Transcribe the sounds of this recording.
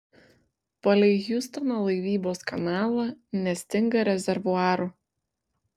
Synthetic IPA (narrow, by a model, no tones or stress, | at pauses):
pɐlʲɛɪɣʲjʊst̪ɐnolˠɐɪʋʲiːboːskɐnɑːlˠɐnʲɛsʲt̪ʲɪŋɡɐɾʲɛzʲɛɾʋʊɑːɾu